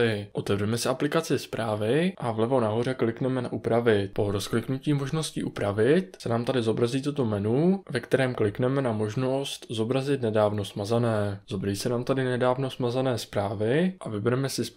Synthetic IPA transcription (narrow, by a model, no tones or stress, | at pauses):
ɪʔo̞t̪ɛvrɛmɛsɪʔaplɪkat͡sɪspɾʔaːvɪʔavlɛvo̞naɦo̞r̝ɛklɪknɛmɛnaʔupɾavɪt̪̚po̞ɾosklɪknuciːmo̞ʒno̞scḭːʔupɾavɪt̪sɛnaːmt̪adɪzo̞bɾaziːt̪ut̪o̞mɛnuvɛkt̪ɛɾɛːmklɪknɛmɛnamo̞ʒno̞st̪zo̞bɾazɪt̪nɛdaːvno̞smazanɛːz̥obɾaziːsɛnaːmt̪adɪnɛdaːvno̞smazanɛːspɾaːvɪʔavɪbɛɾɛmɛsɪs